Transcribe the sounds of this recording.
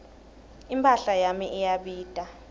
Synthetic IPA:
impʰʼaɬajamiʔɛjaɓiːd̥ʼʱa

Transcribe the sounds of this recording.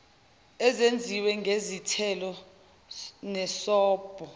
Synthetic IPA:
ɛzend͡zʱiwɛŋɡʱezitʰɛlɔ | nɛsɔːb̥ʱɔ

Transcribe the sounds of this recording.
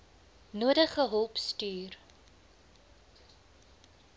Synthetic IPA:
nuədəχəɦɔlˠpstyːr

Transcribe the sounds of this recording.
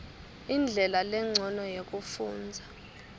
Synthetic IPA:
ind͡ɮʱɛlalɛŋ͡ǀʱɔnɔjek̬ʼufuːnd͡zʱa

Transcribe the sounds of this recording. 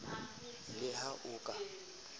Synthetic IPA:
lɪɦaʔʊːkʼa

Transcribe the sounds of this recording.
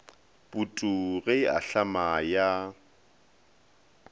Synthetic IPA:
bʼutʼuɣɛa̰ɬamaja

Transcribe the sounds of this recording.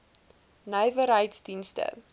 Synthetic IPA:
nəjvəɾɦəjtsdinstə̰

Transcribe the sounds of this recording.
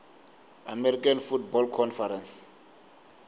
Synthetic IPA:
amɛɾikanfutbɔlkʰɔnfaɾɛ̃ns

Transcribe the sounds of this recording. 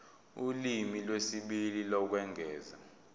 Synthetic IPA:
ulimilwesiɓililɔk̬wɛŋɡʱɛːza̰

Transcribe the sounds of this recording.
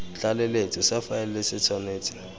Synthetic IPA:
ɬalɛlet͡sʼɔsafaɛllɛsɪt͡sʰɔneːt͡sʰʼi̥

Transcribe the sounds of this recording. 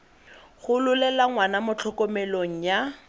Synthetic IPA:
ɣʊlʊlɛlaŋwanamʊt͡ɬʰɔkɔmɛloŋ̩ja

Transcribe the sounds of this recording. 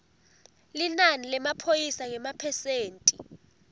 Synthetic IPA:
linanilɛmapʰojisaŋɛmapʰɛseːntʼi

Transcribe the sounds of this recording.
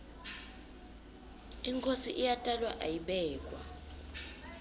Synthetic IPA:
iŋkʰosiʔijatʼalwaʔajiɓɛːk̬ʼwa

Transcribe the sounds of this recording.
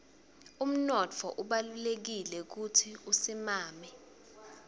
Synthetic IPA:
um̩nɔtʰɔʔuɓalulek̬ilɛk̬utʰiusimaːmɛ

